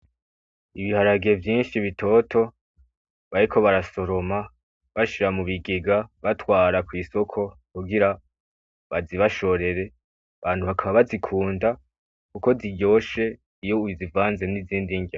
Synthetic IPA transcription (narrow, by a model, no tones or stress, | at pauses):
iβihaɾaɡe̞vjiːnʃiβitʰo̞tʰo̞ | βaɾikʰo̞βaɾaso̞ɾo̞ma | βaʃiɾamuβiɡe̞ɡaβatwaːɾakwiːso̞kʰo̞ | kuɡiɾa | βaziβaʃo̞ɾe̞ɾe̞ | aβaːn̥huβakʰaβaβazikʰuːnda | kuko̞ziɟo̞ːʃe̞ | ijo̞uβizivaːnze̞mniziːndiŋɡa